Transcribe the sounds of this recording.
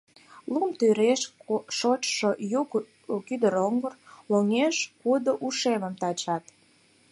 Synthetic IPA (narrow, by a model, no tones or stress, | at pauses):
lumt̪yɾeʃʃot͡ɕʃojuk | kyd̪əɾoŋɡərloŋeʃkud̪oʔuʃeməmt̪ɑt͡ɕɑt̪